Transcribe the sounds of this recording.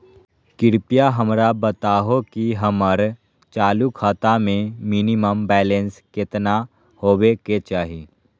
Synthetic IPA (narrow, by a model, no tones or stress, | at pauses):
kɪɾpijaɦəmɾabət̪aːɦokiɦəməɾ | t͡ʃaːlukʰaːt̪amẽmɪniməmbɛːlẽnskɪt̪na | hoːweket͡ʃaːɦiː